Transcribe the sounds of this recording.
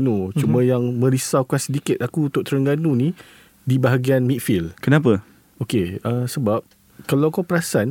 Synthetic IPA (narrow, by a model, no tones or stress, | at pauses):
nut͡ʃumə̃jaŋmə̃ɾisawkansədikɪt̪̚akuut̪ʊʔt̪əɾəŋɡanũnĩ | dibaɦaɡianmĩt̪̚filkənãp̬ə | okeəsəbap̚ | kalawakapəɾasan